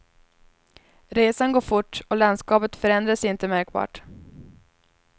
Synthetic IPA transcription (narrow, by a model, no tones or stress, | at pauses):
ɾeːsanɡoːɾfʊʈːɔland̪skɑːpət̪fœɾɛnd̪ɾasɪnt̪əmæɾk̚bɑ̰ːʈ